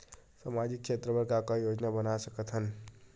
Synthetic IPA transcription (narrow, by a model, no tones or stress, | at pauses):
saːmad͡ʒɪkːʃeːt̪ɾəbəɾkakajoːd͡ʒnabənasəkət̪ɦən